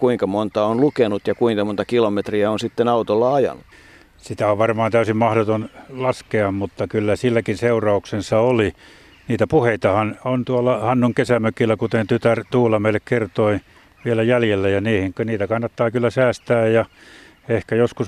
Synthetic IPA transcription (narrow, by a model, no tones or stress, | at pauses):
kuiŋkɑmont̪ɑonlukenut̪jɑkuiŋkɑmont̪ɑkilomet̪riæonsit̪ːenɑut̪olːɑɑjɑ̰nːut̪ | sit̪æoʋʋɑrmɑːnt̪æysimmɑhɾot̪onlɑskeɑmmut̪ːɑkylːæsilːækinseurɑuksensɑoli | niːt̪æpuheit̪ɑhɑnont̪uɑlːɑhɑnːuŋkesæmøkilːˑækut̪ent̪yt̪ært̪uːlːɑmeilːekkert̪oi | ʋielæjæljelːæjɑniːhiŋkøniːt̪ækɑnːɑt̪ːɑːkylːæsæːst̪æːjjɑ | ehkæjoskus